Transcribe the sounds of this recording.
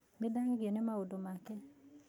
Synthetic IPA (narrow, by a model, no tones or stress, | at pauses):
medaŋɪɡjenemaodomatɛ